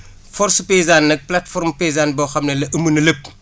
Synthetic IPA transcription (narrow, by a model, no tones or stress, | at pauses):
fɔɾspɛzaːnːɐk̚platfɔɾmpɛzaːnbɔːxɐmnɐlɐʔəmunɐləp̚